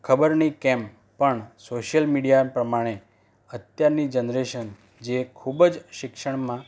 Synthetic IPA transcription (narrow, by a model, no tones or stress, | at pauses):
kʰəbəɾnikɛ̃m | pəɳsoʃjəlmiɽijapɾəmaɽ̃e | ət̪jaɾnid͡ʒənɾeʃən | d͡ʒekʰubd͡ʒʃɪkʃəɳ̃mã